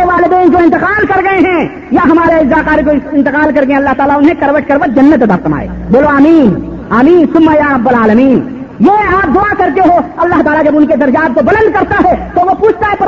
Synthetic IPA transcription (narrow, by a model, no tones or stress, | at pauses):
eʋaːlɪd̪ẽːnd͡ʒoɪ̃nt̪ɪqaːlkɐɾɡɐeɦɛ̃ː | jaɦɐmaːɾeɪzaːqaːɾikoɪ̃nt̪ɪqaːlkɐɾɡɐẽɐlːaɦt̪aːlaʊnɦẽkɐɾʋəʈ̚kɐɾʋət̪̚d͡ʒɐnːət̪ɐd̪a̰ɾsɐma̰ːḛ | boːloaːmiːn | aːmĩːnsʊmːajaɐbɐlaːləmiːn | jeaːp̚d̪ʊakɐɾt̪eɦoɐlːaɦt̪aːlad͡ʒɐbʊnked̪ɐɾd͡ʒaːt̪̚kobɐlə̃nd̪̚kɐɾt̪aɦɛt̪oʋopuːt͡ʃʰt̪aɦɛp